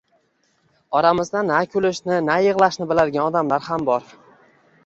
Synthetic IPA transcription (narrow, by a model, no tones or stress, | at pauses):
ɒɾamɪzd̪anːakʰʲʊlɪʃnɪnajɨʁlˠaʃnɪbɪlad̪ɪɡʲanɒd̪amlaɾhambɒɾ